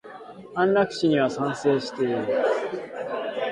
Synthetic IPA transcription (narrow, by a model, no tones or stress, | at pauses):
ãnɾakɯ̟̥ɕiɲ̟iβasãɰ̃se̞ːɕi̥t̪e̞iɾɯ